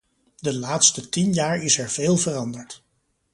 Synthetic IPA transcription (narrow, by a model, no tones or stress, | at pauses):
dəlaːtstətinjaːɹɪsɛɹveːlˠvərɑndəɹt